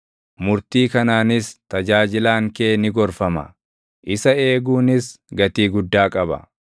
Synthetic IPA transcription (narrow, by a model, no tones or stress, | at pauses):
mʊɾt̪iːkɐnaːnɪst̪ɐd͡ʒaːd͡ʒɪlaːŋkeːnɪɡɔɾfɐmɐ̰ | ʔɪsɐe̞ːɡuːnɪsɡɐt̪iːɡʊd̪ːaːkʼɐbɐ̰